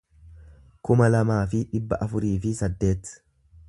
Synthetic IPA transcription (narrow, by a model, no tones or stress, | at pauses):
kʊmɐlɐmaːfɪᶑɪbːɐʔɐfʊɾiːfɪsɐd̪ːe̞ːt̪